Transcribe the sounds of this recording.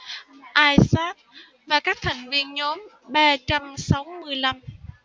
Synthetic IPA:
ʔaː˧jsaː˦˥t̚ | vaː˨˩kaː˦˥k̚t̪ʰa˨˩jŋ̟vi˧ənɲo˨˦m | ɓaː˧t͡ɕa˧msa˨˦wmɨ˧əjla˧m

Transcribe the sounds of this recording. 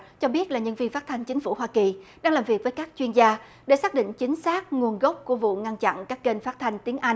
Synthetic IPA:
t͡ɕɔ˧ɓi˦˥ət̚laː˨˩ɲə˧nvi˧nfaː˦˥t̪ʰa˧jŋ̟t͡ɕï˨˦ŋ̟fu˧˩ɦwaː˧ki˨˩ɗaː˧ŋlaː˨˩mvi˨˩ək̚vəː˨˦jkaː˦˥k̚t͡ɕwi˧ənzaː˧ | ɗe˧˩saː˦˥k̚ɗḭ̈˧˨ŋ̟t͡ɕï˨˦ŋ̟saː˦˥k̚ŋu˨˩ənɣə˦˥p̚ku˧˩əvṵ˧˨ŋa˧nt͡ɕa̰˧˨nkaː˦˥kke˧nfaː˦˥t̚t̪ʰa˧jŋ̟t̪i˨˦əŋʔa˧jŋ

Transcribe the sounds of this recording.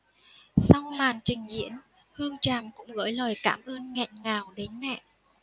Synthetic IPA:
sa˧wŋ͡mmaː˨˩nt͡ɕï˨˩ŋ̟zḭ˧˥ən | hɨ˧əŋt͡ɕaː˨˩mkʊ̰˧˥ŋ͡mɣə̰ː˧˥jləː˨˩jkaː˧˩mʔəː˧nŋɛ̰˧˨nŋaː˨˩wɗe˨˦nmɛ̰˧˨ʔ

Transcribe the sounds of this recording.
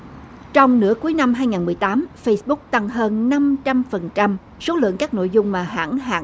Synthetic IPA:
t͡ɕɔ˧wŋ͡mnɨ̰˧˥əku˨˦jna˧mɦaː˧jŋaː˨˩nmɨ˨˩əjt̪aː˨˦mfə˧jsɓʊ˦˥k̚t̪a˨˩ŋɦəː˧nna˧mt͡ɕa˧mfə˨˩nt͡ɕa˧m | so˨˦lɨ̰˧˨əŋkaː˦˥k̚no̰˧˨jzʊ˧ŋ͡mmaː˨˩ɦa̰ː˧˥nha̰ː˧˨

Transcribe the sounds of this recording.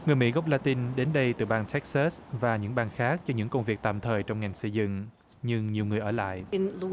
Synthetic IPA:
ŋɨ˨˩əjmḭ˧˥ɣɔ˦˥wp̚laː˧t̪i˧nɗe˨˦nɗə˧jt̪ɨ̰˧˨˩ɓaː˧nt̪ʰɛ˦˥k̚sa˦˥svaː˨˩ɲɨ̰˧˥ŋɓaː˧nxaː˦˥k̚t͡ɕɔ˧ɲɨ̰˧˥ŋkə˧wŋ͡mvi˨˩ək̚t̪a̰ː˧˨mt̪ʰəː˨˩jt͡ɕɔ˧wŋ͡mŋa˨˩jŋ̟sə˧zɨ̰˧˨ŋ | ɲɨ˧ŋɲi˨˩əwŋɨ˨˩əjʔəː˧˩la̰ː˧˨jʔɪ˧nl

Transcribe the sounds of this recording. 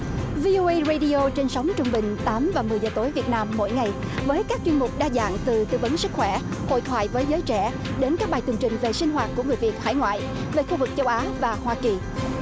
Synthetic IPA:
vi˧ʔo˧ʔə˧jzə˧jɗi˧ʔo˧t͡ɕe˧nsə˨˦wŋ͡mt͡ɕʊ˧ŋ͡mɓï˨˩ŋ̟t̪aː˨˦mvaː˨˩mɨ˨˩əjzəː˨˩t̪o˨˦jvi˨˩ət̚naː˧mːo̰˧˥˨jŋa˨˩j | vəː˨˦jkaː˦˥k̚t͡ɕwi˧nmʊ˨˩k͡p̚ɗaː˧za̰ː˧˨ŋt̪ɨ˨˩t̪ɨ̰˧və˨˦nsɨ˦˥k̚xwɛ˧˩ho̰˧˨jt̪ʰwa̰ː˧˨jvəː˨˦jzəː˨˦jt͡ɕɛ̰˧˩ | ɗe˨˦nkaː˦˥k̚ɓaː˨˩jt̪wŋt͡ɕï˨˩ŋ̟ve˨˩si˧ŋ̟ɦwaː˨˩t̚ku˧˩əŋɨ˨˩əjvi˨˩ət̚ha̰ː˧˩jŋwa̰ː˧˨j | ve˨˩xu˧vɨ˨˩k̚t͡ɕə˧˦wʔaː˨˦vaː˨˩hwaː˧ki˨˩

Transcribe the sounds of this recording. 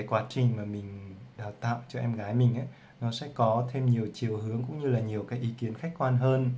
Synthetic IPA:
a˨˦jkwaː˨˦t͡ɕï˨˩ŋ̟maː˨˩mï˨˩ŋ̟ɗaː˨˩t̪a̰ː˧˨wt͡ɕɔ˧ʔɛ˧mɣaː˨˦jmï˨˩ŋ̟ʔaː˨˦ | nɔ˨˦sɛ̰˧˥kɔ˨˦t̪ʰe˧mɲi˨˩əwt͡ɕi˨˩əwhɨ˨˦əŋkʊ̰˧˥ŋ͡mɲɨ˧laː˨˩ɲi˨˩əwkaː˨˦jʔi˨˦ki˨˦ənxa˦˥k̚kwaː˧nɦəː˧n

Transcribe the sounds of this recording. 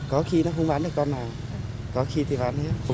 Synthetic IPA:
kɔ˨˦xi˧nɔ˨˦xə˧ŋ͡mɓaː˨˦nɗɨ˨˩kːɔ˧nːaː˨˩w | kɔ˨˦xi˧t̪ʰi˨˩ɓaː˨˦nhe˦˥t̚

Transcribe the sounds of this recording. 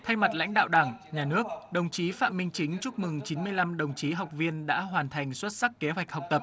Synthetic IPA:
t̪ʰa˧jma˨˩t̚la̰˧˥jŋ̟ɗa̰ː˧˨wɗaː˧˩ŋɲaː˨˩nɨ˦˥ək̚ɗə˨˩wŋ͡mt͡ɕi˨˦fa̰˧˨mï˧ŋ̟t͡ɕï˨˦ŋ̟t͡ɕu˦˥p̚mɨ˨˩ŋt͡ɕi˨˦nmɨ˧əjla˧mɗə˨˩wŋ͡mt͡ɕi˨˦ɦa˨˩wk͡p̚vi˧ənɗa̰ː˧˥ɦwaː˨˩nt̪ʰa˨˩jŋ̟swə˦˥t̚sa˦˥kːe˨˦ɦwɛ˨˩k̚hɔ˨˩wk͡p̚t̪ə˨˩p̚

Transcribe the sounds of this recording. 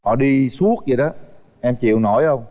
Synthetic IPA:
hɔ̰˧˨ɗi˧su˦˥ək̚zə˨jɗɔ˨˦ | ʔɛ˧mt͡ɕḭ˧˨əwno˧˩jə˧wŋ͡m

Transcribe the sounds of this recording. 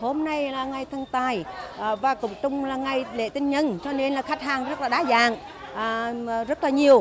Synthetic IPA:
ho˧mna˧jlaː˨˩ŋa˨˩jt̪ʰə˧ŋt̪aː˨˩jvaː˨˩kʊ̰˧˨˦ŋ͡mt͡ɕʊ˨˧ŋ͡mlaː˨˩ŋa˨˩jlḛ˧˨t̪ï˧ŋɲə˧nt͡ɕɔ˧ne˧nlaː˨˩xa˦˥k̟̚ɦaː˨˩ŋzə˦˥t̚laː˨˩ɗaː˨˦zaː˧˨ŋː˨˩ | zə˦˥t̚laː˨˩ɲi˨˩əw

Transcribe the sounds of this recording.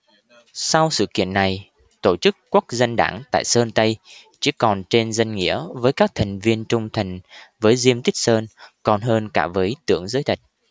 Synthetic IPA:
sa˧wsɨ̰˧˨kḭ˧˨ənːa˨˩j | t̪o˧˩t͡ɕɨ˦˥kːu˦˥k̚zə˧nɗa̰ː˧˩ŋt̪a̰ː˧˨jsəː˧nt̪ə˧j | t͡ɕi˧˥kɔ˨˩nt͡ɕe˧nzə˧ŋŋḭ˧˥əvəː˨˦jkaː˦˥k̚t̪ʰa˨˩jŋ̟vi˧ənt͡ɕʊ˧ŋ͡mt̪ʰə˨˩jŋ̟vəː˨˦jzi˧əmt̪i˦˥k̟̚səː˧nkɔ˨˩nɦəː˧nkaː˧˩vəː˨˦jt̪ɨ̰˧˥əŋzəː˨˦jt̪ʰi˨˩jt̚

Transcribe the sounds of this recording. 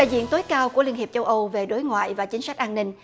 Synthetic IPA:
ɗa̰ː˧˨jzwḭ˧˨ənt̪o˨˦jkaː˧wku˧˩əli˧ənhi˨˩əp̚t͡ɕə˧wʔə˧wve˨˩ɗo˨˦jŋwa̰ː˧˨jvaː˨˩t͡ɕï˨˦ŋ̟sa˦˥k̚ʔaː˧nːï˧ŋ̟

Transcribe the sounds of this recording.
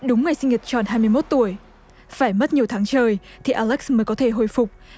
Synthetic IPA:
ɗʊ˨˦ŋ͡mŋa˨˩jsï˧ŋ̟ɲiə˨˩t̚t͡ɕɔ̰˧˩˨nɦaː˧jmɨ˧əjmo˦˥t̚t̪u˧˩əj | faː˧˩jmə˦˥t̚ɲi˨˩əwt̪ʰaː˨˦ŋt͡ɕəː˨˩j | t̪ʰi˨˩ʔaː˧lɛ˦˥k̚sməː˨˦jkɔ˨˦t̪ʰe˧˩ɦo˧˩jfʊ˨˩k͡p̚

